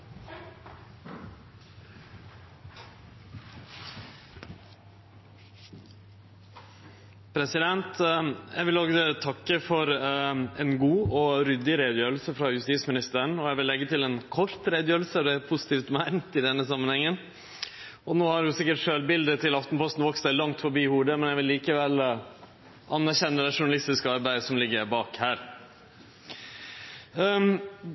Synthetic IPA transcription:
pʰɾɛsɪd̪ɛnt̪jæɪʋɪlɔɡət̪ʰɑkːəfɔɾɛnɡuːɔɾʏd̪ɪɾeːd̪jøːɾlsəfɾɑjʉst̪iːsmɪnɪst̪əɳ̩ɔjæɪʋɪlːɛɡːət̪ɪlɛnkʰɔɾt̪ɾeːd̪jøːɾəlsəɔd̪ɛpʰʊsɪ̥t̪ʰiːft̪mæɪnt̪ɪd̪ɛnːəsɑmːənhɛŋːən | ɔnoːhɑɾʊsɪkːəʈʂøːlbɪld̪ət̪ʰɪlɑft̪npʰɔst̪nʋɔkst̪ælɑŋt̪fɔɾbiːhuːɖəmɛnjæɪʋɪlːiːkəʋɛl | ʔɑnːæɾçɛnːəd̪ɛʂʊɳɑlɪst̪ɪskəɑɾbæɪəsɔmlɪɡːəɾbɑːkhæːɾ

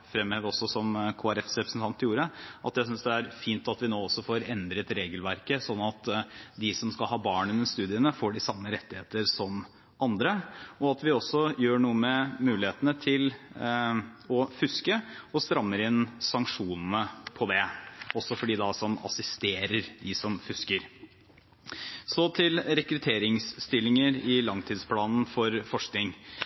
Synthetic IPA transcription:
fɾɛmeːʋɔsɔsɔmkʰoːæɾɛfsɾɛpɾəsn̩t̪ʰɑnt̪ɪjuːɾəʔɑ̰t̪jæɪsʏnsd̪ɛæɾfiːnt̪ɑt̪ʋɪnoːɔsːɔfoːɾɛnd̪ɾət̪ɾeːɡəlʋæɾkəsɔnːɑt̪d̪ɪsɔmskɑlhɑːbɑːɳɛnɛnst̪ʉːd̪ɪənəfoːɖɪsɑmːəɾɛt̪ːɪheːt̪əɾsɔm | ʔɑnd̪ɾəɔɑt̪ʋɪɔsːɔjøːɳuːəmɛmʉːlɪheːt̪ənət̪ʰɪl | ɔfʉskəɔst̪ɾɑmːəɾɪnsɑŋkʂuːnn̩əpʰɔd̪ɛɔsːɔfɔɖiːd̪ɑsɔmɑ̰sɪst̪eːɾəɾd̪ɪsɔmfʉskəɾ | sɔt̪ʰɪlɾɛkɾʉt̪ʰeːɾɪŋsːt̪ɪlːɪŋəɾɪlɑŋt̪ʰiːd̪spʰlɑːnn̩fɔɾfɔʂknɪŋ

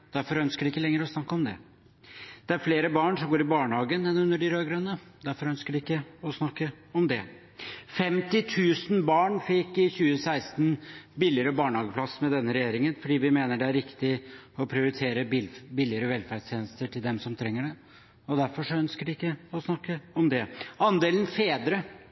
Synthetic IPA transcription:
d̪̥æɾfɔɾœnskəɖɪɪkːəlɛŋːəɾɔsnɑkːəɔmd̪ɛ̰ | d̪̥ɛæɾfleːɾəbɑːɳʂɔmɡoːɾɪbɑːɳəhɑːɡənɛnʉnːəɖɪɾøːɡɾœnːə | d̪æɾfɔɾœnskəɖɪɪkːəɔsnɑkːə | ɔmd̪ɛ̰ | fɛmt̪ɪt̪ʰʉːsn̩bɑːɳfɪkːɪçʉːəsæɪst̪n̩bɪlːɪəɾəbɑːɳəhɑːɡəpʰlɑsmɛd̪ɛnːəɾɛjeːɾɪŋənfɔɖiːʋɪmeːnəɖɛæɾɪkt̪ɪɔpʰɾɪʊɾɪt̪ʰeːɾəbɪlːɪəɾəʋɛlfæɖʂt̪jeːnəst̪əʈʰɪld̪ɛmsɔmt̪ʰɾɛŋːəɖɛ | ɔd̪æɾfɔʂɔœnskəɖɪɪkːəɔsnɑkːəɔmd̪ɛɑnd̪eːlən̩feːd̪ɾə

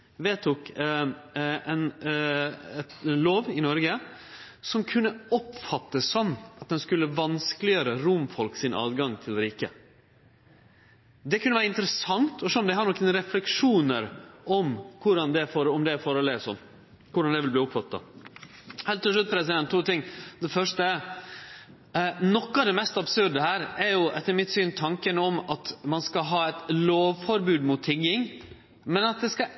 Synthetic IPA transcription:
ʋeːt̪ʰuk | ɛn | ɛt̪loːʋɪnɔɾɡə | sɔmkʰʉnːəɔpfɑt̪ːəsːɔmːɑt̪̚d̪ɛnskʉlːəʋɑnsklɪøːɾəɾʊmfɔlksɪnʔɑ̰ːd̪ɡɑŋt̪ʰɪld̪ɾiːkə | d̪ɛkʰʉnəʋæːɾəɪnt̪əɾəsɑŋt̪ʰɔʂɔmd̪ɛhɑnɔkːɛnɾɛflɛkʂuːnəɾʔɔmkʰʊɖɑnd̪ɛfɔɾɔmd̪ɛɾfɔɾɔlesɔ̰n | kʊɖɑnd̪ɛʋɪlbliːʊpfɑt̪ːɑ̰ | hɛːlt̪ːɪʂlʉt̪̚pʰɾɛsɪd̪ɛnt̪ʰːuːt̪ɪŋːd̪ɛfœʂʈə | nɔkːɑd̪ɛmɛst̪ɑbsʉɾɖ̪əhæːɾɛɾjʊɛt̪ːəɾmɪt̪syːnt̪ʰɑŋkənəɔmɑt̪mɑnskɑɦɑːɛt̪loːʋfɔɾbʉːd̪mʊt̪ʰːɪɡːɪŋ | mɛnɑt̪̚d̪ɛskɑ

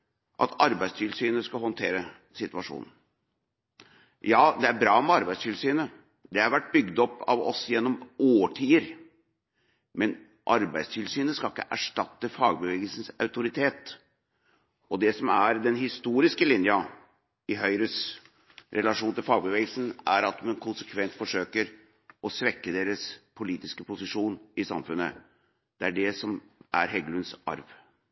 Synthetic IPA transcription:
ʔɑ̰t̪ʰɑɾbæɪst̪ʰɪlsyːnəskɑhɔnt̪ʰeːɾə | sɪt̪ʉʋɑʂṵːnn̩ | jɑːd̪ɛæɾbɾɑːmɛɑɾbæɪst̪ʰɪlsyːnə | d̪ɛæɾʋæʈ̚ːbʏɡd̪ɔpːɑ̰ʋɔ̰sjɛnːɔmʔoːʈʰiːəɾ | mɛn | ʔɑɾbæɪst̪ʰɪlsyːnəskɑlɪkːəʔæʂʈɑt̪ːəfɑːɡ̚bəʋeːɡəlsn̩sɑʉt̪ʊɾɪt̪ʰeːt̪ | ɔd̪ɛsɔmæɾd̪ɛnɦɪst̪uːɾɪskəlɪnjɑ | ɪɦœʏɾəs | ɾɛlɑʂuːnt̪ɪlfɑːɡ̚bəʋeːɡəlsn̩æɾɑt̪mɛnkʰʊnsəkʰʋɛnt̪fɔʂøːkəɾ | ɔsʋɛkːəd̪eːɾəspʰʊliːt̪ɪskəpʊsɪʂuːnɪsɑ̰mfʉnːə̰ | d̪̥ɛæɖɛsɔmʔæɾɦɛɡlʉnsʔɑ̰ɾʋ

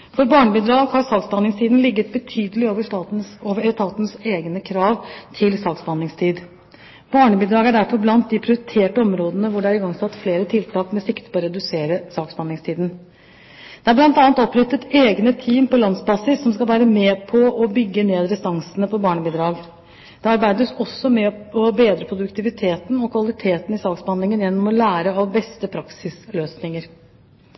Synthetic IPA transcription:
fɔɾbɑːɳəbiːd̪ɾɑːɡhɑɾsɑːksbɑnɪŋst̪ʰiːd̪n̩lɪɡːət̪̚bət̪ʰyːd̪əlɪoːʋəɑoːʋəst̪ʰɑːt̪nseːɡnəkʰɾɑːʋt̪ʰɪlsɑːksbɑnɪŋst̪ʰiːd̪ | b̥ɑːɳəbiːd̪ɾɑːɡæɖæɾfɔɾblɑnt̪̚d̪ɪpʰɾɪʊɾɪt̪ʰeːʈəɔmɾoːd̪ənəʋʊɖɛæɾɪɡɑŋsɑt̪ːfleːɾət̪ʰɪlt̪ʰɑːkmɛsɪkt̪ə̥ɾpʰɔːɾɛd̪ʉseːɾəsɑːksbɑnɪŋst̪ʰiːd̪n̩ | d̪̥ɛæɾblɑnt̪ɑːnt̪ɔpːɾʏt̪ːət̪eːɡnət̪ʰiːmpɔlɑnsbɑːsɪsːɔmskɑlʋæːɾəmɛpʰɔɔbʏɡːəneːd̪ɾɛst̪ɑŋsənəpʰɔbɑːɳəbid̪ɾɑːɡ | d̪̥ɛɑɾbæɪd̪əsɔsːɔmɛɔbeːd̪ɾəpʰɾʊd̪ʉkt̪ɪʋɪt̪ʰeːt̪nɔkʰʋɑlɪt̪ʰeːt̪n̩ɪsɑːkspɑnɪŋənjɛnːɔmɔlæːɾəɑʋbɛst̪əpʰɾɑksɪsløːsnɪŋəɾ

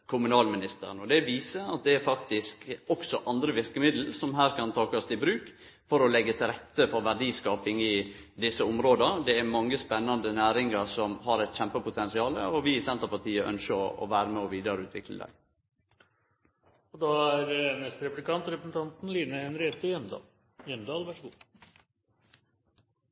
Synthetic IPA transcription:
kʰʊmʉnɑːlmɪnɪst̪ə̰ɾənɔd̪ɛʋiːsəɾɑt̪̚d̪ɛæɾfɑkt̪ɪskɔksɔʔɑnd̪ɾəʋɪɾkəmɪd̪l̩sɔmɦæːɾkɑnt̪ʰɑːkɔst̪ɪbɾʉːk | fɔɾɔlɛɡːət̪ʰɪlɾɛt̪ːəfɔɾʋæɖiːskɑːpɪŋɪd̪ɪsːəʊmɾoːd̪ənd̪ɛæɾmɑŋːəspɛnːɑnd̪ənæːɾɪŋəɾsɔmhɑɾɛɪt̪çɛmpəpʰʊt̪ʰɛnsɪɑːlə̰ɔʋɪsɛnt̪əɾpɑt̪ʰiːəʔœ̰nʃəɔɔ̰ʋæːɾəmɛɔʋiːd̪əɾəʉːt̪ʋɪ̰klə̰d̪æ̰ɪ | ɔd̪ɑæɾnɛst̪ɾɛplɪkɑnt̪ɾɛpɾəsn̩t̪ɑnt̪n̩liːnəɛnɾeːt̪əjɛnd̪ɑ | jɛmd̪ɑːlʋæʂəɡṵː

